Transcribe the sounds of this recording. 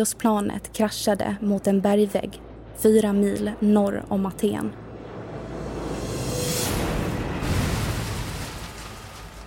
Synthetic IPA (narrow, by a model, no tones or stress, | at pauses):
ʊspʰlɑːnʔə̰t̪kʰɾaʃːad̪ə̰mʊt̪ɛnbæɾjvɛ̰ɡ | fyːɾamiːlnɔɾɔ̰mat̪ʰḛːn